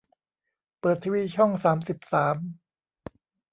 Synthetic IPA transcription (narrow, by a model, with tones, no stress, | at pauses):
pɤː˨˩t̪ʰːiː˧wiː˧t͡ɕʰɔ˥˩ŋsaː˩˦msi˨˩p̚saː˩˦m